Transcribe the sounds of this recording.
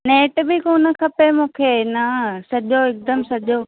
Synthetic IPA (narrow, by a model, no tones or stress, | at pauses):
neːʈbɪkoːnə̆kʰɐpemũːkʰeːnɐsɐʄoɪk̚d̪əmsɐʄo